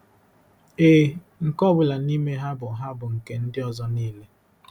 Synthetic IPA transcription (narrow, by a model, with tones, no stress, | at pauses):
e˨ | ŋ̩˨kɔ˦bʊ˨la˨ni˦me˦ɦa˦bʊ˨ɦa˦bʊ˨ŋ̩˨ke˦n̩˦dɪ˦ɔ˨zɔ˦niː˦le˦